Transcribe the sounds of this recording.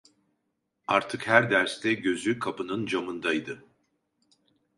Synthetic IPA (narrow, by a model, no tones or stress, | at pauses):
aɾt̪ʰɯkhæɾd̪æɾst̪ʰɛɟø̞zykʰapɯnɯnd͡ʒamɯnd̪ajd̪ɯ